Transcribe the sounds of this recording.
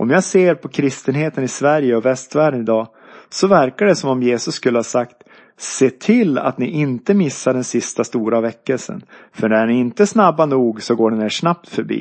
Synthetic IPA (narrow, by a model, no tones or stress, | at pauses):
ʔɔ̰mjaːɡseːɾpʰɔkʰɾɪst̪ənɦeːt̪ənɪsvæɾjəɔvɛst̪væːɖənɪd̪ɑː | sɔvæɾkaɖɛsɔmɔmjeːsɵsːkɵlːəhɑːsakt̪ | seːt̪ʰɪlːa̰t̪nɪʔɪnt̪əmɪsːaɖɛnsɪst̪ast̪uːɾavɛkːəlsə̰nfœɖɛæɳɪɪnt̪əsnabːanuːɡsɔɡoːɖɛnːeːʂnap̚t̪fœɾbḭː